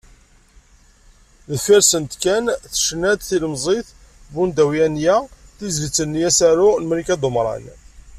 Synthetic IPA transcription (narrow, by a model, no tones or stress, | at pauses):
ðəfiɾsənt̪kænθə̥ʃnæd̪θiləmzˤeθ | bund̪æwjænjæθizlət͡sːənːijæsæɾunəmɾikæd̪ˤomɾˤɑ̰n